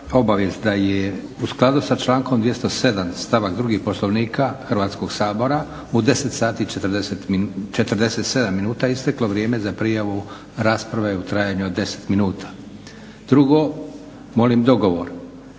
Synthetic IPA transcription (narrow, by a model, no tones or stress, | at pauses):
o̞baʋjest̪d̪aje | usklˠad̪usat͡ʃlˠaːŋkomd̪ʋje̞st̪ose̞d̪amst̪aʋakd̪ɾuɡihpo̞slˠo̞ʋniːkʰaxr̩ʋaːt̪sko̞ɡsaːbo̞ɾa | ud̪e̞se̞t̪saːt̪it͡ʃet̪ɾd̪eset̪mit͡ʃe̞t̪rd̪e̞set̪se̞d̪amːinuːt̪aist̪eklo̞ʋɾje̞ːme̞zapɾijaʋu | ɾaːspɾaʋe̞ut̪ɾajaɲuod̪ːe̞se̥t̪minuːt̪ʰḁ | d̪ɾuɡo̞ | mo̞limd̪o̞ɡoʋo̞ɾ